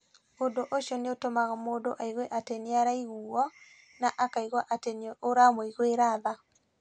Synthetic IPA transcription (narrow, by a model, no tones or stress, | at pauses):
ondoʔoʃjɔneotomaɣamoːdoʔaiɣweʔateneaɾaiɣuɔ | naʔakaiɣwaʔatenooɾamoiɣweɾaða